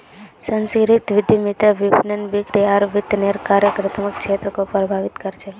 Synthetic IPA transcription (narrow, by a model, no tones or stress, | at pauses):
sənskɾit̪ʋɪd̪ʱimit̪əʋibʱnənʋɪkɾiaɾʋɪt̪neɾkaɾjəkɾət̪ʰməkʃet̪ɾəkopɾbʱaʋɪt̪kəɾt͡ʃʰe